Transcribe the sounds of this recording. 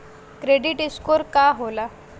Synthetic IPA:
kɾeɖiʈiskoɾkaɦola

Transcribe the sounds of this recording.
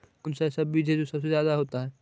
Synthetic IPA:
ʊnsasɐbːiːd͡ʒʱed͡ʒosɐbsezjaːd̪aɦoːt̪aɦɛː

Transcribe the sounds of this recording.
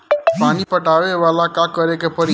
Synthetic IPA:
paːnipɐʈaːʋeʋaːlakakɐɾekepɐɾi

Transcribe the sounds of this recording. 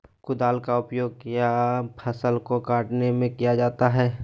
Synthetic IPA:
kʊd̪aːlkaʊpjoːɡkijapʰəsəlkokaːʈnemẽkijad͡ʒaːt̪aɦɛː

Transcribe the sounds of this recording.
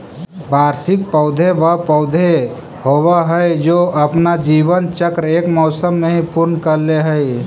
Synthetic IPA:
bʱaːɾsɪk̚pəʊd̪ʱebapəʊd̪ʱe | howaɦəjd͡ʒoʔəpnad͡ʒiːʋənt͡ʃəkɾeːkmɔʊsəmːeɦĩpʊɾnkəɾleɦəj

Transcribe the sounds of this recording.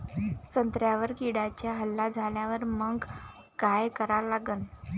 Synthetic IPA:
sənt̪ɾjaʋəɾkiɽat͡ɕjaɦəlːad͡zʱaljaʋəɾməŋɡ | kajkəɾalaɡən

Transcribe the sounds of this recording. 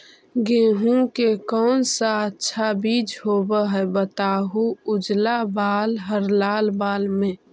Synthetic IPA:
ɡeːɦũkekɔːnsaətːʃʰabiːd͡ʒɦoːbəɦɛbət̪aːɦuʊd͡ʒlabaːlɦəɾlaːlbaːlmẽ

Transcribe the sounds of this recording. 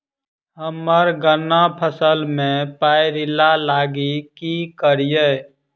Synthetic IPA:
ɦəməɾɡənːapʰəsəlmẽpajɾɪlalaːɡikikəɾijə

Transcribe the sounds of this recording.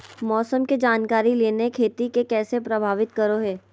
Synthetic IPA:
mɔːsəmked͡ʒaːnkaːɾileːnekʰeːt̪ikekɛːsepɾɐbʱaːʋɪt̪kəɾoɦɛː

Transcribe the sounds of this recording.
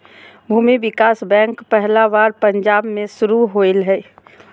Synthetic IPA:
bʱuːmiʋɪkaːsbɛ̃ːŋkpɛɦlaʋaːɾpə̃ɲd͡ʒaːbmẽʃʊɾuɦoːɪlɦɛː

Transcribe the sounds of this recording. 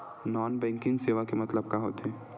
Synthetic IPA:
nɔːnbɛ̃ːŋkɪ̃ŋɡseːʋakemɐt̪ləb̚kaɦo̰ːt̪eɦɛ̃ː

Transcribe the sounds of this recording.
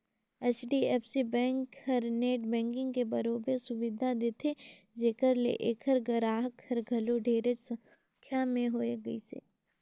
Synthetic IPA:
ɛt͡ʃɖiɛːpsibɛ̃ːŋkhəɾneːʈbɛ̃ːŋkɪ̃ŋɡkebɐɾoːbesʊʋɪd̪ʱad̪eːt̪ʰe | d͡ʒeːkəɾlḛʔeːkʰəɾɡəɾaːɦəkhɐɾɡʱɐloɖʱeːɾet͡ʃsə̃ | kʰjamẽɦoːeɡɐisḛː

